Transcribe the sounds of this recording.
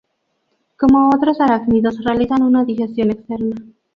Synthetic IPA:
ko̞moot̪ɾosaɾakniðosrealiθanunaðixe̞st̪jo̞nekst̪eɾna

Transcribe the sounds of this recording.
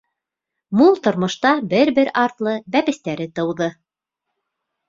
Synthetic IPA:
mulˠt̪ŏɾmŏʃt̪ɑbɘɾbɘɾɑɾt̪lˠɤbæpɘ̆st̪æɾɘt̪ɤ̆wðɤ

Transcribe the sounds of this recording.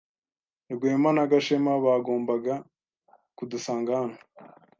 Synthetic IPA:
iɾɡweːmanaɡaʃemaβaːɡo̞ːmbaɡa | kudusaːŋɡana

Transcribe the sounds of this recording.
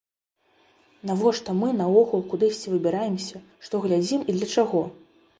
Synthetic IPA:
navɔʂt̪ɔmɨnɐɔɣulˠkud̪ɨsʲt͡sʲivɨbʲiɾajɛmsʲɐʂt̪ɔɣlʲad͡zʲimid̪lʲɐt͡ʂaɣɔ

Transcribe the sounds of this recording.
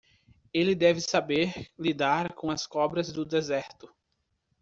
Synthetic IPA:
elɪd̪ɛvɪsabeɾlid̪aɾkõɐskɔbɾɐzd̪ʊd̪ezɛɾt̪ʊ

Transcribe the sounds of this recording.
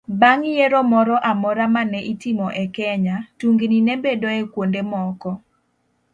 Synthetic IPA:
baŋjeɾomɔɾɔʔamɔɾamanɛʔitɪmɔʔɛkɛɲatuŋɡninɛbedoɛkwondemɔkɔ

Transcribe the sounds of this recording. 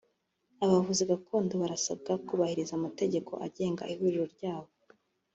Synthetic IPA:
aβavuziɡakuːnduβaɾasab̚ɡakuβahiɾizaːmate̞ɟe̞kʰo̞̰ʔaɟe̞ːŋɡa̰ʔihuɾiɾo̞ɾɟaːβo̞

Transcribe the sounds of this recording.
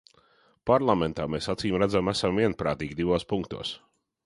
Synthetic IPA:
paɾlˠament̪aːmeːsat̪siːmɾæd̪zamæsamviɛnpɾaːt̪iːɡʲid̪ivoːspuŋkt̪ṵɔs

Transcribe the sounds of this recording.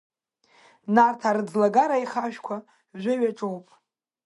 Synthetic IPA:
nartʰaɾɨd͡zlaɡaɾaiχaʃᶣkʷʰa | ʒʷʊɥaʈ͡ʂʼowpʼ

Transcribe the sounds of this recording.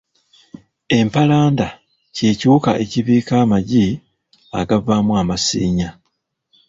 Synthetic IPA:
e̞mpalaːnda | ce̞ːcuukaʔe̞ciβiːkaːmaɟi | a̰ɡavamwamasiːɲa

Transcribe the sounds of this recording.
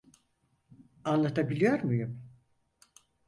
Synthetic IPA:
anlˠat̪ʰabilʲijoɾmujum

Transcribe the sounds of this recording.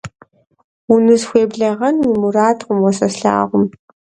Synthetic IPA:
ʊnɨzxʷeːbɮɐʁɐnwimuraːtʰqʷʊmwɔsɐsɬa̰ːʁʷʊm

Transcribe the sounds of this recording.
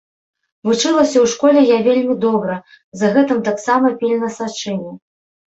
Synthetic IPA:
vut͡ʂɨlˠɐsʲɐwʂkɔlʲɛjavʲelʲmʲid̪ɔbɾɐ | zɐɣɛt̪ɨmt̪aksamɐpʲilʲnɐsat͡ʂɨnʲɛ

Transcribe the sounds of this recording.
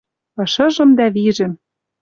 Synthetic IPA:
ɤ̆ʃɤ̆ʒɤ̆md̪æβiʒɘ̆m

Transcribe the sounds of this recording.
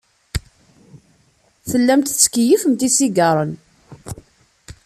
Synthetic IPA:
θəlːæmt̪t͡sːkjifəmt̪isiɡɑɾˤən

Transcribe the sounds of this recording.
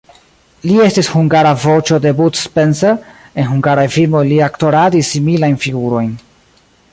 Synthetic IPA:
lie̞stishuŋɡaɾavo̞t͡ʃo̞de̞butspenseɾ | e̞nɦuŋɡaɾajfilmo̞jliakto̞ɾadisːimilajnfiɡuɾo̞jn

